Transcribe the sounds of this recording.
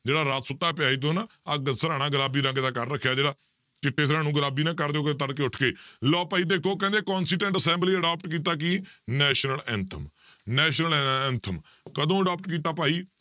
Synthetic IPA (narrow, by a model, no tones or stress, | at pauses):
d͡ʒeːɽaːɾaːt̪sʊt̪ːaːɛːpɪjaːiːt̪̬õːna | əɡsəɾaːnaːɡəɾaːbiːɾə̃ŋɡd̪aːkəɾːəkʰːjaːd͡ʒeːɽaː | t͡ʃɪʈʰːeːs̬əɾãːnũːɡəɾaːbiːnãːkəɾd̪eoːk̪ːt̪əɽkeːʊʈʰkeːlɔːpaːiːd̪eːkʰoːkɛ̃ːnd̪eːkɔːnsiːʈə̃ɳʈəsɛ̃ːmbliːəɖaːp̚ʈkiːt̪̬aːk̬iːnɛːʃnəlɛ̃ːnt̪ʰəm | nɛːʃnəlɛːnt̪ʰəm | kəd̪õːəɖaːp̚ʈkiːt̪aːpaːiː